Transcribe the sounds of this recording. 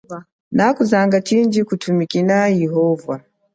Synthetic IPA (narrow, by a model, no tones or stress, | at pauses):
nakuzaŋɡat͡ʃind͡ʒikutʰumikinajiɦɔvwa